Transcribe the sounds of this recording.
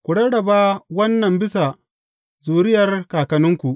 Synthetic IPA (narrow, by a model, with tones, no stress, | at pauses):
kʷu˨ɽɐ˦ɽɐ˨ba˦wɐ˦nːɐ˨mbɪ˦sa˨ | zuː˨ɾɪ˦jɐ˨rkaː˨kɐ˨nɪ˦ŋkʷu˨ʔ